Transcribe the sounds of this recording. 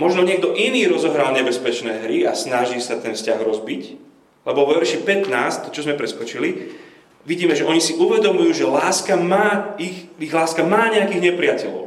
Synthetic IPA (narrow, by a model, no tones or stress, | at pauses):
mɔʒnɔɲɪɛɡ̚d̪ɔʔiniːɾɔzɔɦɾaːlɲɛbɛspɛt͡ʃnɛːɦɾiasnaʒisat̪ɛnfscaɣɾɔzbic | lɛbɔʋɔʋɛɾʃipɛt̪naːst̪ɔt͡ʃɔzmɛpɾɛskɔt͡ʃili | ʋiɟiːmɛʒɛʔɔɲisiʔuʋɛd̪ɔmujuːʒɛlaːskamaːixiɣlaːskamaːɲɛakiːɣɲɛpɾɪacɛʎɔ̰ʊ